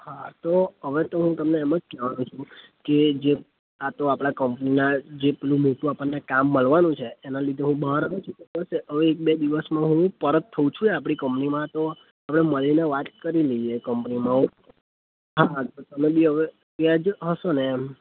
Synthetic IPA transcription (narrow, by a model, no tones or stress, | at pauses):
hat̪oɦəʋet̪oɦũt̪əmneːməd͡ʒkɛʋanũt͡ʃʰũ | ked͡ʒe | at̪oapɽ̃akəmpninad͡ʒepelũmoʈũapənːekamːəɭʋanũt͡ʃʰeːnalid̪ʱeɦũbəɦaɾəɡet͡ʃʰukekəʃeəʋeːk̚bed̪iʋəsmãɦũpəɾət̪ʰːəũt͡ʃʰũeapɽ̃ikəmpnimãt̪o | apɽ̃eməlineʋat̪kəɾiləiekəmpnimãɦũ | ɦat̪ot̪əmebʱiɦəʋe | iad͡ʒɦəʃonem